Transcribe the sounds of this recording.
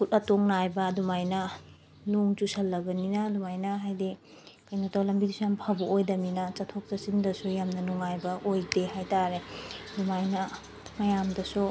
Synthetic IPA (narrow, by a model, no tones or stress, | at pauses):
kutɐtoŋnajbɐdumajnɐ | nuŋt͡ʃusɐlːɐɡɐninɐdumajnɐɦajde | kajnatawlɐmbidisujampʰabuʔojdɐminɐt͡ʃɐtʰok̚t͡ʃɐsindɐsujamnɐnuŋajbɐʔojdeɦajtaɾedumajnɐ | mɐjamdɐsu